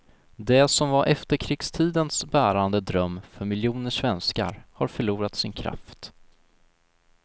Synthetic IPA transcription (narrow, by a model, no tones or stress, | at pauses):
d̪ɛsɔmvaɾʔɛft̪əɾkʰɾɪkst̪ʰiːd̪ənsbæːɾand̪əd̪ɾœmːfœɾmɪljuːnəʂvɛnska̰ɾhaɾfœɭuːɾat̪sɪnkʰɾa̰ft̪